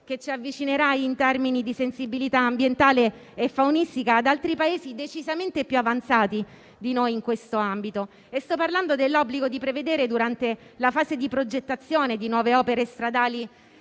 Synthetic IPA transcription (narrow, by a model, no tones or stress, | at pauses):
k̟et͡ʃːiavːit͡ʃineɾaint̪ɛrminid̪isensibilit̪aːmbjent̪aːleː | fːawnist̪ikaːd̪alt̪ɾipaeːzid̪et͡ʃizament̪epːjuavant̪saːt̪i | d̪inojiŋkwest̪oambit̪o | est̪ɔpːarland̪od̪elːɔbliɡod̪ipɾeved̪eːɾed̪uɾant̪elafaːzed̪ipɾod͡ʒet̪ːat̪sjoːned̪inwɔːveɔːpeɾest̪ɾad̪aːli